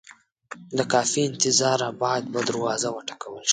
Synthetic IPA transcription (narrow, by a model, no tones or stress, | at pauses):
d̪əkɑfiɪnt̪ɪzɑɾabɑd̪̚bad̪əɾwɑzawəʈḁkawəlʃ